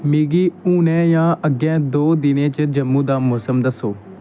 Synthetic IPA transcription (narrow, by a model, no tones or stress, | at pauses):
miːɡiːuːnɛ̃ːjãːəɡːɛ̃ːd̪oːd̪ɪnẽːt͡ʃəd͡ʒəmːũːd̪aːmʊːsəmd̪əsoː